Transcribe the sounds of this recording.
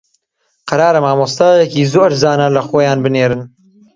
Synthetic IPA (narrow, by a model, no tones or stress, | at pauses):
qɐɾaːɾɐmaːmoːst̪ɑjɛkiːzoːɾzaːnɐlɐxoːjaːnbɨneːɾɨn